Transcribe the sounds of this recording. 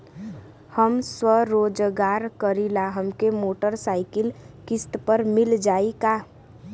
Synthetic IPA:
həmswəɾoːd͡ʒɡaːɾkəɾilaɦəmkemoːʈəɾsaːɪkɪl | kɪst̪pəɾmɪld͡ʒaːika

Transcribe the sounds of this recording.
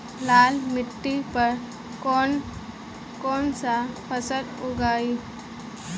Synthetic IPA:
laːlmɪʈːipəɾ | kon | koːnsapʰəsəluɡaːi

